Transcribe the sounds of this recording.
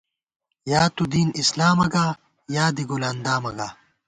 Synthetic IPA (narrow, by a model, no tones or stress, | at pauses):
jaːt̪ud̪iːnislaːmɐɡaː | jaːd̪iɡolaːnd̪aːmɐɡaː